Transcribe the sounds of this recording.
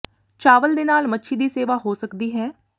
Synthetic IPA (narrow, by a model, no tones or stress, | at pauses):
t͡ʃaːʋəld̪eːnaːlmətːʃʰiːd̪iːseːʋaːɦoːsəkd̪iːɦɛː